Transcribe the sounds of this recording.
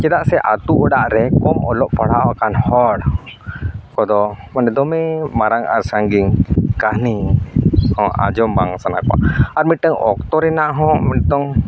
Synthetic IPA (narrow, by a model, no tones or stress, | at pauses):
t͡ʃɛd̪aʔsɛʔat̪uɔɖaʔɾɛkɔmʔɔlɔʔpaɽawakanhɔɽ | kɔd̪ɔmanɛd̪ɔmɛmaɾaŋaɾsaŋɡiŋkahni | hɔ̃ʔa̰d͡ʒɔmbaŋsana̰kɔa̰aɾmiʈəŋɔ̰k̚t̪ɔɾɛnaʔɦɔ̃mɛt̪ɔŋ